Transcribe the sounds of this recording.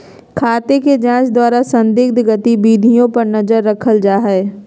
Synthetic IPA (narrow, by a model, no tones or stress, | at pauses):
kʰaːt̪eked͡ʒãːt͡ʃd̪waːɾasɐ̃nd̪ɪɡ̚d̪ɡɐt̪ibiːd̪ʱijõpɐɾnɐzəɾːɐkʰəld͡ʒaːɦɛː